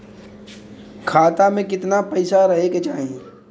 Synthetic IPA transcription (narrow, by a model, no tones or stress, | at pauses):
kʰaːt̪amẽkɪt̪napɐɪsaɾɐɦeket͡ʃaːɦẽː